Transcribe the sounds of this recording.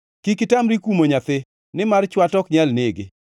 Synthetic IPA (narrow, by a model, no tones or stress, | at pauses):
kikɪtamɾikumoɲat̪ɪ | nɪmart͡ʃwatɔkɲɛlnɪɡɪ̰